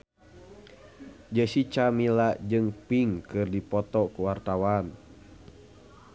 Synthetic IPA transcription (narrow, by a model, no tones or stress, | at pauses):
d͡ʒəsit͡ʃamilad͡ʒɨŋpiŋkɨrdipɔt̪ɔkuwart̪awan